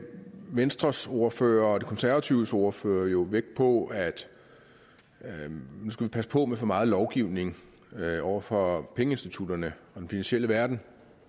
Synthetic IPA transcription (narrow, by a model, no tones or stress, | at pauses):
ʋensd̥ʁɐso̝ɐfø̰ːɐɒd̥ekʰɒ̽nsæɐʋæt͡sʰiʊəso̝ːɐfø̰ːɐjo̝ʋeɡ̥̚pʰɒ̽æd̥ | nusɡ̥æʋipʰæsə̥pʰɒ̽mefɒ̽mɑ̈ːð̞̩ˠlɒʊɡ̥iʊ̰ne̝ŋ | ɒʊɐfɒ̽pʰeŋəe̝nsd̥it͡sʰud̥ɐnəɒ̽d̥enfinænsel̰əʋæɐd̥n̩